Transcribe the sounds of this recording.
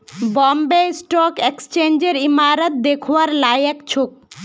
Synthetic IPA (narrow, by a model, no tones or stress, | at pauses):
bɔmbesʈɔkekst͡ɕend͡ʑeɾimaɾat̪̚d̪ekʰoaɾlajɛkt͡ɕʰok̚